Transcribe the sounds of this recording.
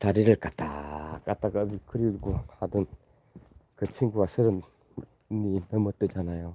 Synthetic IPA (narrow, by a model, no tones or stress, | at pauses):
taɾiɾɯɭkatakataɡamikʰɯɾiɡuhadɯn | kɯt͡ɕʰiŋɡuwasʰɯɾɯm | ninɯmɯt͈ːɯd͡ʑanajo